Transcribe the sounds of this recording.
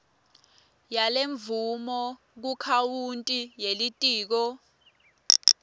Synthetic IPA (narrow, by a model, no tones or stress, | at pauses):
jaleɱvumɔ | k̬ukʰawuntʼijelitʼiːk̬ɔ